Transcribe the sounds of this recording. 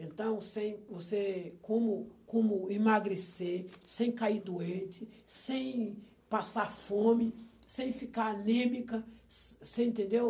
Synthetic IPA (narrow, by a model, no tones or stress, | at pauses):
ẽnt̪ɐ̃w̃sẽj̃vosekõmʊkõmʊimaɡɾesesẽj̃kaiɾd̪uẽnt͡ʃɪ | sẽj̃ | pasaɾfõmɪ | sẽj̃fikaɾnẽmikɐsẽj̃ẽnt̪ẽnd̪ew